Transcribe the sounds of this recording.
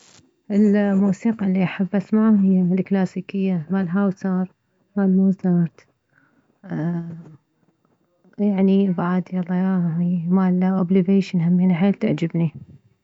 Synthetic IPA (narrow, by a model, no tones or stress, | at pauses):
ʔɪlmuːsiːqlːiʔaħabːʔasmaʕaɦɪjːalklaːsiːkɪjːamalɦaːwsɑɾˤ | malmuːzɑɾt̪ | jaʕnibaʕad̪jɑlˤːɑjaimalʔobliveːʃɪnhamːiːnaħeːlt̪a̰ʕd͡ʒɪbni